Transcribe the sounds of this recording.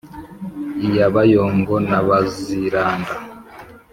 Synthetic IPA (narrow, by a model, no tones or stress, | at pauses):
ijaβajoːŋɡonaβaziɾaːnda